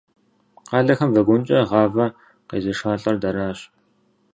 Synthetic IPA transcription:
qɑːɮɐxɐmvɐɡʷʊnt͡ʃʼɐʁɑːvɐ | qḛːzɐʂaːɬʼɐrdɐɾaːɕ

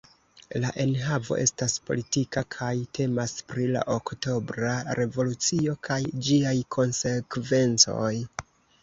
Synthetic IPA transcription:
laʔe̞nɦavo̞̰ʔe̞staspo̞̰litikakʰajtʰe̞maspɾila̰ʔokto̞bɾaɾe̞vo̞lut͡sio̞kʰajd͡ʒiajkʰo̞nse̞kve̞nt͡so̞̰j

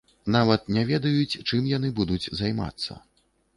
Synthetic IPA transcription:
navɐt̪̚nʲɛvʲɛd̪ɐjut͡sʲt͡ʂɨmjanɨbud̪ud͡zʲzajma̰t̪sːɐ̰

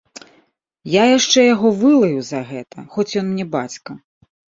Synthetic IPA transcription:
jajaʂt͡ʂɛjaɣɔvɨlˠɐjuzɐɣɛt̪ʰɐxɔt͡sʲjɔnmnʲɛba̰t͡sʲkɐ

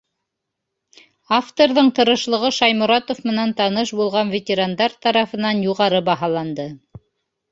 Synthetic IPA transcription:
aft̪oɾðɤɴt̪ɤ̆ɾɤ̆ʃlˠɤ̆ʁɤʃɑjmʊ̆ɾɑt̪ofmɤ̆nænt̪ɑnɤʃbulˠʁɑnvʲet̪ʲeɾand̪ɑɾt̪ɑɾɑfɤ̆nɑnjuʁɑɾɤbɑɦɑlˠɑnd̪ɤ

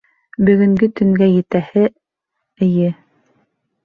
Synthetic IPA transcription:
bɵ̆ɣɵ̆ŋɡɵt̪ɵ̆ŋɡæjɘ̆t̪æhɘ | ɘ̆jɘ

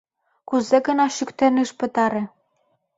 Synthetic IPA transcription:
kuzeɡə̆nɑʃykt̪ĕniʃpə̆t̪ɑɾĕ

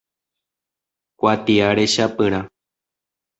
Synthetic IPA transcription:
kʷat̪iaɾeʃapɨɾ̃ã

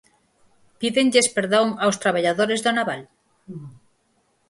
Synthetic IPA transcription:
piðeŋʎespeɾðoŋawst̪ɾaβ̞aʎaðoɾezðonaβal

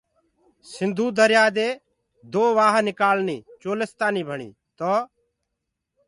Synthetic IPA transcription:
sɪ̃nd̪ʱuːd̪əɾjaːd̪eː | d̪oːʋaːɦnɪkaːlniːt͡ʃoːlɪst̪aːniːbʱəɳḭː | t̪oː

